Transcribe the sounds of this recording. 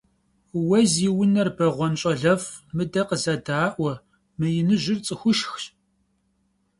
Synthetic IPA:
wɐziwʊnɐrbɐʁʷɔnɕʼɐɮɐfmɨdɐqəzɐdaːʔʷɐ | mɨjɪnɨʒʷɪrt͡sʼɨxʷʊʃx

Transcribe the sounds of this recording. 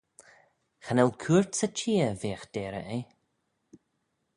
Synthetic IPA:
xanɛlkʰuːɹt̪sət͡ʃiːəveːxd̥̪ɛːɾə̰ʔe

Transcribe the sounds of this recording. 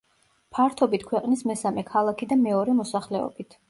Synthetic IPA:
pʰaɾt̪ʰɔbit̪ʰkʰwɛqʼnismɛsamɛkʰalˠakʰid̪amɛɔɾɛmɔsaχlɛɔ̰bit̪ʰ

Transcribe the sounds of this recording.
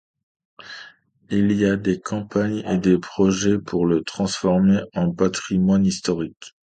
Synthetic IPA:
iliad̪ekɑ̃paɲḛd̪epχɔʒɛpʰuʁlət̪χɑ̃sfɔʁmeɑ̃pat̪χimwanist̪ɔʁik

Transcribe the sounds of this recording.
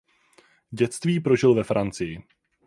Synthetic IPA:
ɟɛt͡st̪viːpɾo̞ʒɪlvɛfɾʔant͡sɪjɪ

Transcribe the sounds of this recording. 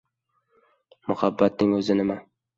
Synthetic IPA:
mʊhabːat̪̚nɪŋɵzɪnɪma

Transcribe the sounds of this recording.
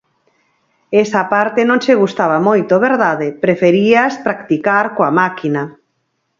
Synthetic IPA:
ɛsapaɾt̪enõŋseɣ̞ust̪aβamojt̪oβeɾðaðepɾefeɾiaspɾakt̪ikaɾkoamakina

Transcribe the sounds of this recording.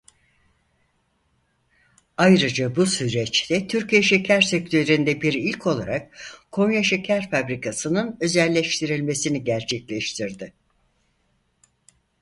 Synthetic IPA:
ajɾɯd͡ʒabusyɾɛt͡ʃt̪ʰɛt̪ʰyɾcijaʃecʰæɾsɛk̚t̪ʰøɾynd̪ɛbiɾilʲcʰo̞lˠaɾakkʰo̞ŋjaʃecʰæɾfabɾikʰasɯnɯnø̞zɛlʲːɛʃt̪ʰiɾilʲme̞siniɟæɾt͡ʃʰɛclʲɛʃt̪ʰiɾd̪ɪ

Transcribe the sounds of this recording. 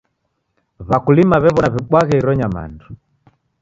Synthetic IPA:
βakulimaβɛβɔnaβiɓwaɣɛiɾɔɲama̰ndu

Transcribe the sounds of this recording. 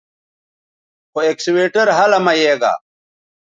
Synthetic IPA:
xoeksweːʈɐɾɦɐlɐmɐjeːɡa̰ː

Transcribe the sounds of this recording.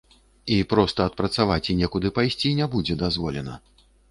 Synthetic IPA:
ipɾɔst̪ɐːt̪̚pɾɐt̪savat͡sʲinʲɛkud̪ɨpajsʲt͡sʲinʲɛbud͡zʲɛd̪azvɔlʲɛnɐ̰

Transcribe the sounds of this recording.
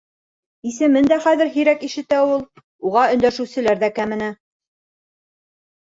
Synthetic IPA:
isɘ̆mɘnd̪æχæðɘɾɦiɾækiʃɘ̆t̪æulˠ | uʁɑɵ̆nd̪æʃɘ̆wsɘ̆læɾðækæmɘ̆nɘ

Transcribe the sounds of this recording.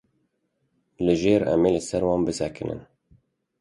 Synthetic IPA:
lɨʒeːɾɛ̰meːlɨsɛɾwɑːnbɨsɛkʰɨnɨ̰n

